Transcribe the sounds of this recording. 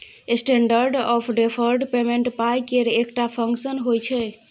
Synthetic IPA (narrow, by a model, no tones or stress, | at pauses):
esʈeɳɖəɾɖɔpʰɖepʰəɾɖpemeɳʈpajkeɾekʈapʰəŋksənɦojt͡ʃʰɛ